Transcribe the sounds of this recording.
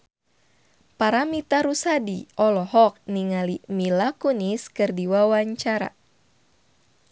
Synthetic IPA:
paɾamit̪aɾusadiʔɔlɔhɔk̚niŋalimilakuniskɨrdiwawaɲt͡ʃaɾa̰

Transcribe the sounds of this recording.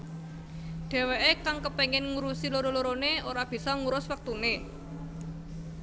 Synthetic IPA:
ɖ̪̥e̤weʔekaŋkəpeŋɪnŋuɾusiloɾoloɾoneoɾab̥i̤sɔŋuɾʊswək̚t̪une

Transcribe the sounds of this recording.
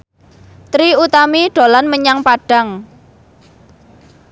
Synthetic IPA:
t̪ɾiut̪amiɖ̥o̤lanməɲaŋpaɖ̥a̤ŋ

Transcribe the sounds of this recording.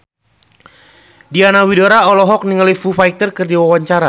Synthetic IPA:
dianawidoɾaɔlɔɦɔk̚niŋəlifufait̪ərkɨrdiwawaɲt͡ʃaɾa

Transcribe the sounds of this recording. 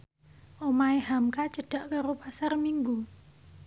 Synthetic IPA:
ʔomaeɦamkat͡ʃəɖ̥a̤ʔkaɾopasarmiŋɡu

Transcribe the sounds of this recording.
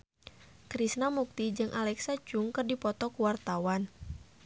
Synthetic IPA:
kɾisnamuk̚t̪id͡ʒɨŋʔalɛksad͡ʒuŋkɨrdipɔt̪ɔkuwart̪awan

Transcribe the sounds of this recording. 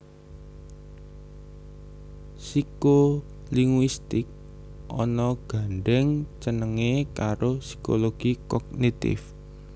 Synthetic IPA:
siko | liŋwist̪ɪk̚ | ʔɔnɔɡ̥a̤ɳɖɛŋt͡ʃənəŋekaɾosi̥koloɡ̥i̤kɔɡ̚nit̪ɪ̰f

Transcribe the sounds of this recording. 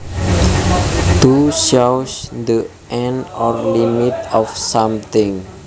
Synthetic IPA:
t̪uʃawsd̪ə | ʔɛ̃nɔrlimit̪ɔfsãmt̪ɪ̃ŋ

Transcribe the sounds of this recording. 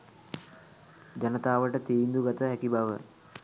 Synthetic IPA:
d͡ʒanət̪aːʋəʈət̪iːnd̪uɡat̪əɦækibaʋə

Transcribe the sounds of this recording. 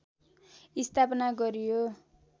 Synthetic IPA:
ist̪ʰapʌnaɡʌɾijo

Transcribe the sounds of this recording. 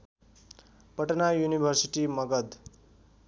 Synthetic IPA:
pʌʈʌnajunibʱʌrsiʈimʌɡʌd̪

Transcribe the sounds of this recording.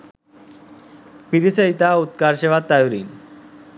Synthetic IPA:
piɾisəjt̪aut̪kaɾɕeʋat̪ːajuɾḭn

